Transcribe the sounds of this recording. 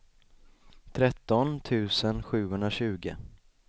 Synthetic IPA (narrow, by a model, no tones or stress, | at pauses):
t̪ʰɾɛt̪ːɔnt̪ʰʉ̟ːsənɧʉ̟ːɦɵnɾaɕʉ̟ːɡə̰